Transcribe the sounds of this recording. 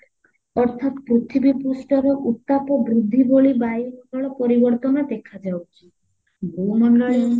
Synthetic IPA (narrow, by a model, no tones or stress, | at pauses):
ɔɾt̪ʰat̪pɾut̪ʰibipusʈɔɾɔʔut̪ːapɔbɾud̪ʱːiboɭibajɦɔkɔɭɔpɔɾibɔɾt̪ɔnɔd̪ekʰad͡ʒawt͡ʃʰi̥ | bomɔɳɖɔɭe